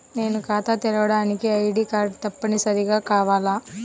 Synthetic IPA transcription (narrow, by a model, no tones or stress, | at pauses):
ne̞ːnukaːt̪at̪ɛɾɐʋɐɽaːnikiɐjɽiːkaːɾɖt̪ɐpːɐnisɐɾiɡaːkaːʋaːlaː